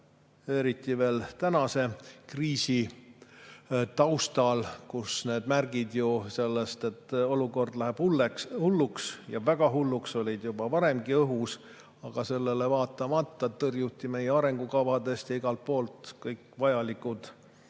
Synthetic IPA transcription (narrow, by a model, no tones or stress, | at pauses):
e̞ɾit̪ːˑive̞ːlt̪ænɑse̞kriːsi | t̪ɑwst̪ɑlkusne̞ːd̪̥mærɡ̥id̪juse̞lːest̪e̞t̪ːo̞luko̞rd̪læɦeb̥hulːekshulːuksjɑvæɡ̥ɑɦulːukso̞lʲid̪jubɑvɑɾe̞mɡ̥iɤɦus | ɑɡ̥ɑse̞lːele̞vɑːt̪ːˑɑmɑt̪ːˑɑt̪ɤrjut̪ʲːˑime̞jeɑɾe̞ŋɡ̥ukɑvɑd̪est̪jɑiɡ̥ɑlt̪̚po̞ːlt̪kɤjkːvɑjɑlikud̪̥